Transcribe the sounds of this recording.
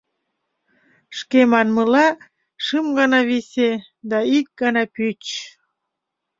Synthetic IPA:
ʃkemɑnməlɑ | ʃɨmɡɑnɑβise | d̪ɑik̚ɡɑnɑpyt͡ɕ

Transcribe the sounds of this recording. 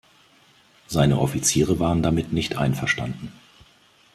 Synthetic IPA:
z̥aɪnəʔɔfit͡siːʁəvaːʁəndamɪtnɪçtʰʔa̰ɪnfɛɐʃta̰ndn̩

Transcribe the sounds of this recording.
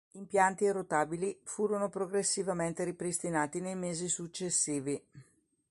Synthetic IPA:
impjant̪irːot̪aːbilifuːɾonopɾoɡɾesːivament̪eɾipɾist̪inaːt̪inejmeːzisut͡ʃːesːiːvi

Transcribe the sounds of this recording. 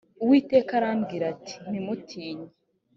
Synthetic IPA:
uwiːte̞ːkaɾaːmbɡiːɾati̥n̥imutʰiːɲe

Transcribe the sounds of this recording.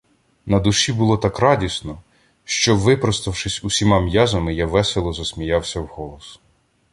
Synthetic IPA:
nɐd̪ʊʃibʊlˠɔt̪ɑkɾɑdʲisnɔ | ʃt͡ʃɔʋɪpɾɔst̪ɐwʃɪsʲusʲimɑmjɑzɐmɪjaʋɛselˠɔzɐsʲmʲijɑwsʲɐwhɔlˠɔs

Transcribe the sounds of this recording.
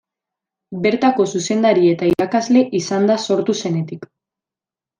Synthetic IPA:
be̞ɾt̪ako̞suse̞nd̪aɾie̞t̪aiɾakazle̞ʔisand̪aso̞ɾt̪use̞ne̞t̪ik

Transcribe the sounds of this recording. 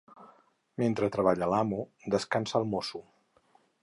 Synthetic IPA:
ment̪ɾət̪ɾəβaʎəlamud̪əskansəːlˠmosu

